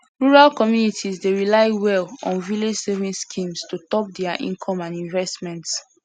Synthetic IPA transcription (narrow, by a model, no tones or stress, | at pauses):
ɹuɹalkɔmjunitʰizdeɹilaɪwɛlɔ̰̃nviled͡ʒsevĩnskʰĩmstutɔp̚dɛaʔḭ̃nkʰɔ̃mãndĩɱvɛstmɛ̃nts